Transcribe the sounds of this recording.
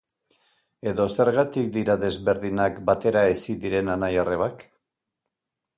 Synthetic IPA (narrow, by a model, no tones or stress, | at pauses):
e̞ðo̞se̞ɾɣat̪ik̚d̪iɾaðe̞zβe̞ɾðinakbat̪e̞ɾaesid̪iɾe̞nanajare̞βak